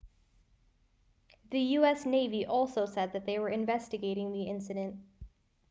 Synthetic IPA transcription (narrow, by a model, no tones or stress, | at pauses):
ðɨjʉɛsneɪviʔɔlˠsoʊsɛd̪̚ðɨt̪̚ðeɪwə˞ɨ̃ɱvɛstɨɡeɪɾɪ̃ŋðiɪ̃nsɨɾɨ̃nt̚